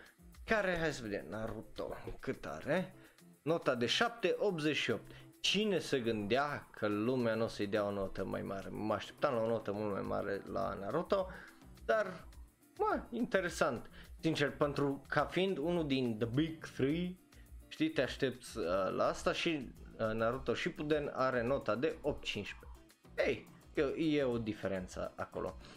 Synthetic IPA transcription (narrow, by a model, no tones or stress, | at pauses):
kaɾe̞ɦajsəve̞d̪ḛmnaɾut̪o̰kɨt̪a̰ɾe | no̞t̪ad̪e̞ʃap̚t̪eʔo̞pzet͡ʃʃiop̚t̪ | t͡ʃinese̞ɡɨnd̪eakʰəlumeanusejd̪eaonot̪əma̰jmaɾḛməaʃt̪ep̚t̪amlaonot̪əmult̪ma̰jma̰ɾḛla̰naɾut̪o | d̪̥ar | maint̪e̞ɾe̞sant̪sint͡ʃerpe̞nt̪ɾukʰafind̪unuld̪ind̪əbiɡθɾɨj | ʃt̪it̪eaʃt̪e̞p̚t̪sʲəlʔa̰ast̪aʃinaɾut̪oʃipud̪enaɾe̞no̞t̪ad̪e̞ʔop̚t̪̚t͡ʃint͡ʃpe | ej | ejeo̞d̪ifeɾe̞nt̪sə̰ako̞̰lʔo̞̰